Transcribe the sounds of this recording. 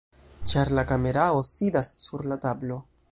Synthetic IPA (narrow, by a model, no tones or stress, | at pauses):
t͡ʃaɾlakame̞ɾao̞sidasːuɾlatablo̞